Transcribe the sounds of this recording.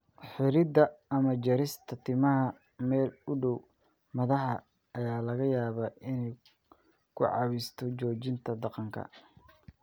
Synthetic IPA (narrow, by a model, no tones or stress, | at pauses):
ħɪɾɪd̪ɐɐmɐd͡ʒɐɾɪst̪ʰɐt̪ʰɪmɐɦɐ | mɛːlʊɖɔw | mɐðɐɦɐ | ʔɐjaːlɐɣɐjaːβɐːʔɪnɛj | kʰʊ̰ʕɑ̰βist̪ʰɔt͡ʃɔːt͡ʃɪnt̪ʰɐd̪ɑqɑŋkʰɐ̰